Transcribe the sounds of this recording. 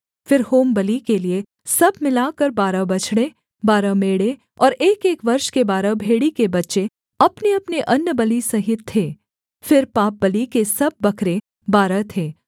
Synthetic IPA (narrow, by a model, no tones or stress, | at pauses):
fɪɾhoːmbɐlikelie | sɐb̚ʱmɪlaːkɐɾbaːɾabɐt͡ʃʰɽe | baːɾameːɽe | ɔːɾeːkeːkʋɐɾʃkebaːɾabʱeːɽikebɐtːʃe | ɐpneɐpneʔɐnːəbɐlisɐɦɪt̪̚t̪ʰeː | fɪɾpaːp̚bɐlikesɐb̚ːɐkʰɾe | baːɾat̪ʰeː